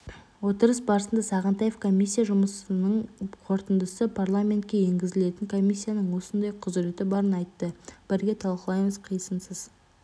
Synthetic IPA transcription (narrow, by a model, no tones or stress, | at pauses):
wo̞t̪əɾəs̬bɑɾəsənd̪ɑsɑʁənt̪ɑjefkʰo̞mʲijsʲːijaʒʊməsənəɴqʰo̞ɾt̪ənd̪əsəpʰaɾlˠamʲe̞nt̪̚kʲe̞je̞ŋɡʲɪzɪle̞t̪ɪŋkʰo̞mʲisʲːijanəɴwo̞sənd̪ɑjqʰʊzɪɾe̞t̪ɪbɑɾənɑjt̪ːəb̥ɪɾɡʲe̞t̪ʰɑlˠqəlˠɑjməzqʰijsənsəz